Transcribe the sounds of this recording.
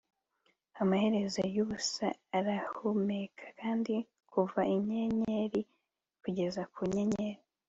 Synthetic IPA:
amahe̞ɾe̞zajuβusaːɾahumekʰḁkaːndi | kʰuvaiɲeɲeɾi | kuɟe̞zakuɲeɲeɾi

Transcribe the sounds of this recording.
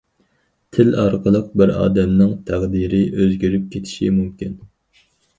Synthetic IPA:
t̪ʰɪlɑɾqʰəlˠəq̚bɪɾɑ̰ːd̪ɛmnɪŋt̪ʰæʁd̪iɾɪʔøzɡʲyɾyp̚kʲʰet̪ʰɪ̥ʃḭmumkʲin

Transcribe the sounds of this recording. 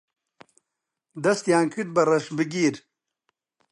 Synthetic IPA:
d̪ɐst̪jaːŋkiʈ̚bɐɾɐʂbiɡiːɾ

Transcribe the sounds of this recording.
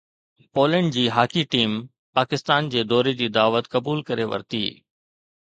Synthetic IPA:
poːlə̃ɳɖd͡ʑiːɦaːkiʈiːm | paːkɪst̪aːnd͡ʑeːd̪ɔːɾed͡ʑiːd̪aːʋət̪kɐbuːlkɐɾeʋɐ̰ɾt̪ḭː

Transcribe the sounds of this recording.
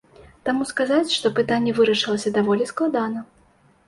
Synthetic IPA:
t̪amuskazat͡sʲʂt̪ɔpɨt̪anʲːɛvɨɾɐʂɨlˠɐsʲɐd̪avɔlʲisklˠad̪anɐ

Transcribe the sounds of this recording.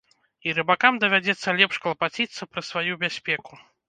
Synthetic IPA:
iɾɨbakamd̪ɐvʲad͡zʲɛt̪sːɐlʲɛpʂklˠɐpat͡sʲit̪sːɐpɾɐsvajubʲasʲpʲɛku

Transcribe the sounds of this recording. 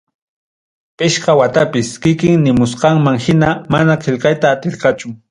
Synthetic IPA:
pɪʃqɑwat̪apɪskɪkɪŋnɪmʊsqɑŋmaŋhɪnamanaqʰeʎqɑjt̪aːt̪ɪɾqɑt͡ʃʊ

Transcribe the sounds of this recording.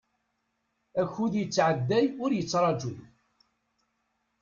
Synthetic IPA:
æçuðjət͡sːʕəd̪ːæjʊɾjət͡sːɾˤɑd͡ʒuð

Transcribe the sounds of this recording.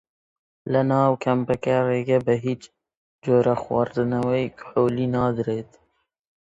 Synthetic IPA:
lɐnɑːwkʰɐmpɐkareːɡɐbəɦiːt͡ʃ | d͡ʒoːɾaxwɑ̰ːɾd̪ɨnɐwejkħoːliːnɑːd̪ɨɾeːt̪

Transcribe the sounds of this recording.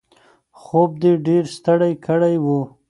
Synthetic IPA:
xob̚d̪eɖeɾst̪əɽajkʰəɽajwu

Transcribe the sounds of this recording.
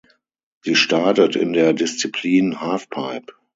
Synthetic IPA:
ziːʃtaɐtətɪ̰ndeːɐdɪst͡sipʰliːnhaːfpʰaɪp

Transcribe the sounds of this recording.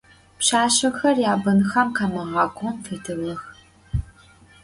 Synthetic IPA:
pɕaːɕɪxɐrjaːbɐnxɐmkaːmɐʁɑːkʷʼonfʰeːtʰɨlɐx

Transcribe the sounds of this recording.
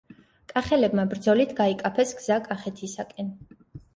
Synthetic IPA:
kʼaχɛlɛbmabɾd̪zɔlit̪ʰɡaikʼapʰɛsɡz̥akʼaχɛt̪ʰisakʼɛn

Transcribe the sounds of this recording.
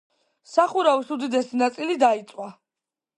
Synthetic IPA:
saχuɾavisud̪id̪ɛsinat̪sʼilid̪ait̪sʼwa

